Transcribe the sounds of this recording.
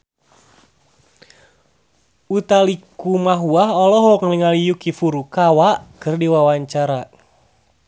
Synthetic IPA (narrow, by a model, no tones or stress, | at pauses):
ut̪alikumaɦuaɦɔlɔɦɔkniŋalijukifuɾukawakɨrdiwawaɲt͡ʃaɾa